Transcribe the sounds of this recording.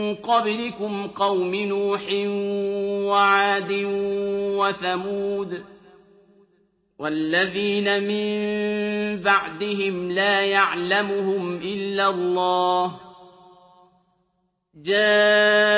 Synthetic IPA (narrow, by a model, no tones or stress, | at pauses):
nqɑblɪkʊmqɑwmɪnuːħɪnwaʕaːd̪ɪnwaθamuːd̪ | wʔalːaðiːnamɪmm | baʕd̪ɪɦɪmlaːjaʕlamʊhʊmʔɪlːalˤːɑːh | d͡ʒaː